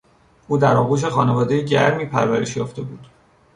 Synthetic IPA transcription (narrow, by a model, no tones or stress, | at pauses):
ʔuːd̪æɾɒːɣuːʃ̬e̞xɒːne̞vɒːd̪e̞jeɟæ̰ɾmiːpʰæ̰ɾvæɾe̞ʃjɒːft̪e̞buːd̪̥